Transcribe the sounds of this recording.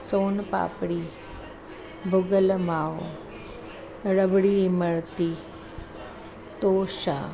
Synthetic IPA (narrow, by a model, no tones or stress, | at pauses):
soːnpa̰ːpɽi | bʱʊɡəlmaːw | ɾəbɽiməɭt̪i | t̪oːʃa̰